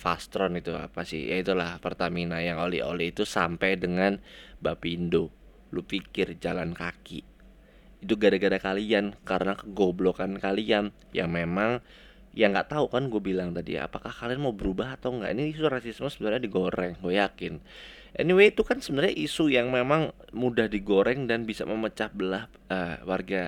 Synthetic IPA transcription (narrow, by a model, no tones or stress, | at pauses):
fast̪ɾɔnit̪ua̰pasɪ̰hjʔa̰it̪ulahpərt̪aminanjaŋolɛ̰o̰lɛit̪usampajdəŋanbapindo | lupikɪrd͡ʒalankakḭʔ | it̪uɡadaɡadakaliankaɾənakəɡoblokankalian | ja̰ŋmemaŋ | jaŋɡaʔt̪aukanɡuabilaŋt̪adḭa̰pakahkalianmaubəɾubaɦat̪awŋɡa̰ʔiniisurasismosəbənərɲadiɡoɾɛŋɡuajakɪn | ʔɛ̰niwet̪ukansəbənərɲaʔisujaŋmemaŋ | mudahdiɡoɾɛŋdanbisa̰məmət͡ʃahbəlah | əwarɡa